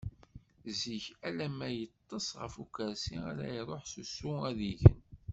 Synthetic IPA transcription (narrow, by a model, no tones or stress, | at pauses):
ziçælæmæjət̪ˤːəsʁə̰fukəɾsia̰ɾæjiɾˤoħsusːuæðiʝən